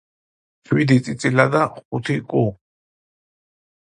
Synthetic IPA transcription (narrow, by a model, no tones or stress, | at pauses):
t͡ʃʰwid̪it͡sʼit͡sʼilad̪aχut̪ʰikʼu